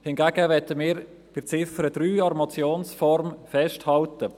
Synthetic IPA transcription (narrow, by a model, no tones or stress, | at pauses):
hɪnɡæːɡəʋɛtəmɪːɾ | pɪt͡sɪfəɾəd̥ɾyːɑrmɔt͡sjoːnsfɔɾmfɛʃthɑltə